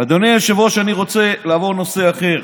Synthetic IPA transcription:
ad̪oneeʃavoʃaniʁo̞t͡se̞laavo̞ʁnose̞aχe̞ʁ

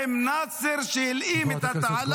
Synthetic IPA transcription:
ɪmnaːsɪɾʃiliːmɪt̪aal

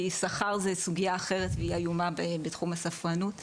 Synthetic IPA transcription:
isaχaʁzesuɡiaːχe̞ʁetveiajumabebetχumasafʁanut

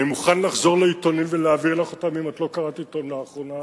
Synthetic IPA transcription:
nimuχanlaχzo̞ʁleito̞nimveleaviʁlaχotamimatlo̞kaʁatito̞nlaːχʁo̞na

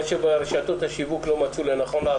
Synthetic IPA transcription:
ʃebeɾeʃat̪ot̪haʃivuklo̞mat͡sulenaχo̞nlaa

